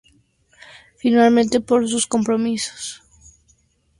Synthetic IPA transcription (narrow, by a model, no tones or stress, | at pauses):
finalmẽnt̪e̞poɾs̬usko̞mpɾomiso̥s